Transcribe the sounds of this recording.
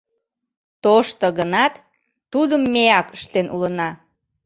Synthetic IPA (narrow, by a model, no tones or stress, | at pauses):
t̪oʃt̪oɣənɑt̪ː | ud̪əmːeɑkə̥ʃt̪enʔṵlənɑ